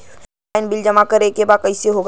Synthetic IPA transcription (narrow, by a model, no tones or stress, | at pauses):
ɪnbɪld͡ʒɐmakəɾekebaːkɐiseɦoːɡ